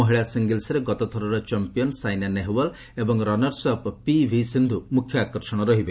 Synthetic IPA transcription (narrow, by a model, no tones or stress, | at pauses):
ɔɦiɭasiŋɡilsɔɾeɡɔt̪ɔt̪ʰɔɾɔɾɔt͡ʃɔmpijɔnsajnaneɦwɔl | ebɔŋɾɔnɔɾsɔppibʱisind̪ʱumukʰjɔakɔɾʃɔɽ̃ɔɾɔɦibe